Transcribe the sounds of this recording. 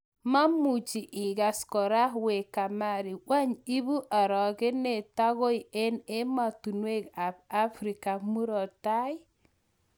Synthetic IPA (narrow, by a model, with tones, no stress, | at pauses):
ma˦mu˨t͡ʃi˨ʔɪ˨ɡa˨skɔ˨ɾa˦we˨ka˨ma˦˨ɾi˨wa˦ɲi˦bu˦ʔa˨ɾɔ˨ke˦ne˨ta˦ɣo˦i˨e˦ne˦ma˨tu˨nwe˦ka˨b̚a˦fɾi˨ka˨mu˦ɾɔ˨ta˦ɪ˦